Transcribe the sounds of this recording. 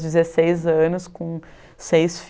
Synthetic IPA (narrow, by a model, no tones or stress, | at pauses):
d͡ʒɪzesejzɐ̃nʊskõ | sejsf